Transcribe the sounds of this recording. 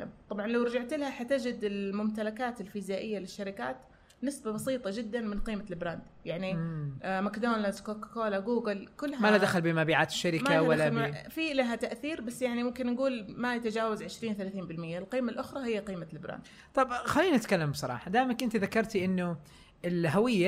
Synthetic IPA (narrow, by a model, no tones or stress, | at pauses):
mt̪ˤɑbʕɑnlawɾˤɑd͡ʒaʕt̪ɪlhaħat̪ɪd͡ʒɪd̪ɪlmʊmt̪alakaːt̪ɪlfɪzaːʔɪjːalɪʃːaɾɪkaːt̪ | nɪsbabɑsiːt̪ˤɑd͡ʒɪd̪ːanmɪnqiːmalbɾand̪jaʕnimakd̪oːnlazkokḁkoːlaɡuːɡɪlkʊlːhamalad̪axalbɪmabiːʕaːt̪ɪ̥ʃːaɾɪmaawalːafilaɦat̪aʔθiːɾbasːjaʕnimʊmkɪnːaɡuːlmajat̪ad͡ʒaːwazʕɪʃɾiːnθalaːθiːnbɪlmɪjːalqiːmalʔʊxɾˤɑhɪjːaqiːmalbɾa̰nd̪ | t̪ˤɑbxalːiːnnɪt̪kalːambsˤɑɾˤɑ̰ːħɑd̪aːʔmakʔɪnt̪iðakːɑɾˤt̪iʔɪnːʊ | ʔɪlɦawɪjːa